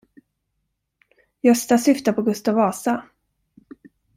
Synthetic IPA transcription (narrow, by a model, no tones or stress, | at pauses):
jœst̪asʏft̪apʰɔɡɵst̪avɑːsa